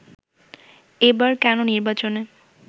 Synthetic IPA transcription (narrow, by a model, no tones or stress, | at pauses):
ebaɾkɛnoniɾbat͡ɕone